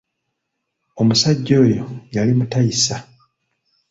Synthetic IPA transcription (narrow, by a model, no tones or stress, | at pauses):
o̞musaɟːo̞ːjo̞jalimutaisa